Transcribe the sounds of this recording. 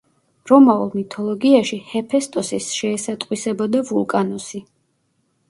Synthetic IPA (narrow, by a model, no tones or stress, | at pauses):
ɾɔmaulˠmit̪ʰɔlˠɔɡiaʃihɛpʰɛst̪ʼɔsisʃɛːsat̪ʼqʼwisɛbɔd̪avulˠkʼanɔsi